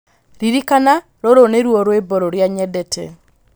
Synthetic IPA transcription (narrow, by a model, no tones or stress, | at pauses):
ɾiɾikana | ɾoɾoneɾwɔɾwebɔɾɔɾjaɲɛdɛtʰɛ̰